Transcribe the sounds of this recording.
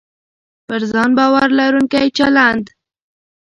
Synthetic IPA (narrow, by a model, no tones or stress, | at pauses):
pəɾzɑnbɑwaɾlaɾuŋkajt͡ʃaland̪